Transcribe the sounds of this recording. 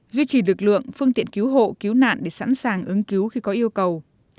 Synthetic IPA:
zwi˧t͡ɕi˨˩lɨ˨˩k̚lɨ̰˧˨əŋfɨ˧əŋt̪ḭ˧˨ənki˨˦wɦo̰˧˨ki˨˦wna̰ː˧˨nɗe˧˩sa̰˧˥nsaː˨˩ŋʔɨ˨˦ŋki˨˦wxi˧kɔ˨˦ʔi˧əwkə˨˩w

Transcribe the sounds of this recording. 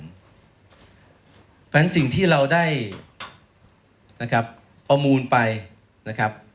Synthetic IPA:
pɛ˦˥nsi˨˩ŋt̪ʰiː˥˩ɾa˧wdaː˥˩j | na˦˥kʰɾa˦˥p̚ | pːɾa˧muː˧npa˧j | na˦˥kʰa˦˥p̚

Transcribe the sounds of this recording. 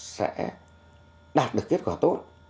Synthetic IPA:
sɛ̰˧˥ | ɗaː˨˩t̚ɗɨ˨˩əkːe˦˥t̚kwaː˧˩t̪o˦˥t̚

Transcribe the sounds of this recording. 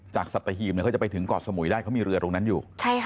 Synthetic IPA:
t͡ɕaː˨˩k̚sa˨˩t̪̚ːa˧ɦiː˧˩mn˧˥˩kʰt͡ɕpa˧jt̪ʰɯ˩˦ŋkɔː˨˩t̚sa˧mu˨˩˦jdaː˥˩jkʰa˦˥wmiː˧ɾɯ˧ɐ˧ɾoː˧ŋna˦˥njuː˨˩t͡ɕʰa˥˩j

